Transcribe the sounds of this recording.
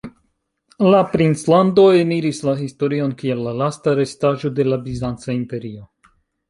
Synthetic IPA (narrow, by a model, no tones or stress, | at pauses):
lapɾinslando̞eniɾislahisto̞ɾio̞nkielːalastaɾe̞staʒo̞de̞labizant͡saimpe̞ɾio̞